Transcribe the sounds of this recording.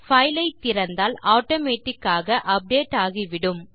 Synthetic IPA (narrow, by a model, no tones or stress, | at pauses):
fɐɪlɐɪt̪ːɪɾɐnd̪aːlaːʈoːmeːʈːɪkːaːɣɐʔɐp̚ɖeːʈːaːɣiʋɪɽɯm